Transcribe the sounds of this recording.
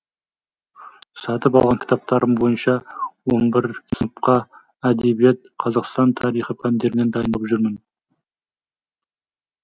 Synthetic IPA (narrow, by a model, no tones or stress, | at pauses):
sɑt̪əpɑlˠʁɑŋkʲʰɪ̥t̪ɑp̚t̪ɑɾəmbo̞jənʃɑwo̞nbɪɾpqɑ | æd̪e̞bije̞t̪̚qʰɑzɑqst̪ɑnt̪ʰɑɾijχəpʰænd̪e̞ɾɪne̞nd̪ɑjənəlˠəpʒʏɾmən